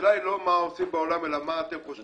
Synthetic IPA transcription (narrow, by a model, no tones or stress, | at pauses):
laelɔmaɔsimbaolamelamatepo